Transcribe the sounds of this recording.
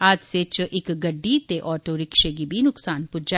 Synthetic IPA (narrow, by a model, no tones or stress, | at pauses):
aːd͡ʒset͡ʃʔɪkɡɐɖːiːt̪eʔɔːʈoɾɪkʃeɡibʱinʊksaːnpʊd͡ʒa